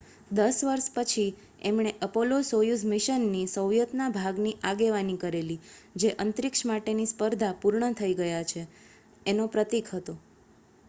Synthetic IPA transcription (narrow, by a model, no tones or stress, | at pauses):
d̪əsʋəɾʃpət͡ʃʰi | emɳ̃eʔəpolosojusmɪʃənːisəwjət̪nabʱaɡniʔaɡeʋanikəɾelid͡ʒeʔənt̪ɾɪkʃmaʈenispəɾd̪ʱapuɾɳət̪ʰəiɡəjat͡ʃʰeː | nopɾət̪ikʰɦət̪o